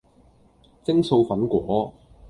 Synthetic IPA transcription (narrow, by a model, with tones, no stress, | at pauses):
t͡sɪ˥ŋso˧wfɐ˨˥nkʷɔː˨˥